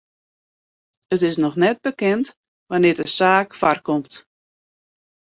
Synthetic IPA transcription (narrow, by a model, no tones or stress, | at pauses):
ətɪsnɔxnɛt̚bəkɛnt | ʋanɪədəsaːkfarkɔmt